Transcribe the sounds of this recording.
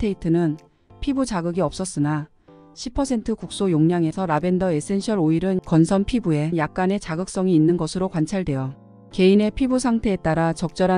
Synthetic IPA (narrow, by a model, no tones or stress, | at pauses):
tʰeitʰɯnɯn | pʰibut͡ɕaɡɯɡiʌp̚s͈ʌs͈ɯna | ɕʰipʰʌsʰe̞ntʰɯkuk̚s͈ojoŋɲaŋe̞sʰʌɾabe̞ndʌe̞s͈ʰe̞nɕʰʌɾoiɾɯnkʌnsʰʌnpʰibue̞jak̚k͈ane̞t͡ɕaɡɯk̚s͈ʌŋiːnːɯnɡʌsʰɯɾokwant͡ɕʰaɭdwe̞jʌ | ke̞ine̞pʰibusʰaŋtʰe̞ːt͈aɾat͡ɕʌk̚t͡ɕ͈ʌɾa